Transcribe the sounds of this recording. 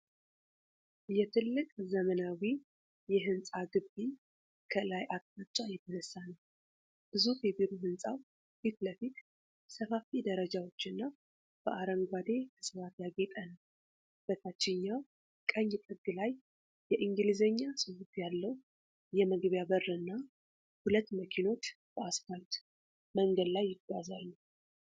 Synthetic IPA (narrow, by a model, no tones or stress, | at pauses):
jɛt̪ʰɨlːɨkʼzəmənawi | jɛɦɨnsʼaɡɨbi | kʰəlajʔat̪mat͡ʃʼːajɛt̪ʰənəsːanəw | b̥ɨzufɛbiɾuɦɨnsʼaw | fit̪ləfit̪ | səfafid̪əɾəd͡ʒawo̞t͡ʃːɨnːa | b̥əʔaɾəŋɡʷad̪e̞kʰɨsɨwat̪jaɡet̪ʼənəw | b̥ət̪ʰat͡ʃːɪɲːaw | kʼəɲːɪt̪ʼɨɡːɨlaj | jɛʔiŋɡɨlizəɲːasɨwut̪jalːəw | jɛməɡβjabərːɨnːa | hulət̪ːməkʰino̞t̪bəaskalt̪ | məŋɡəd̪lajːɪɡːazalːu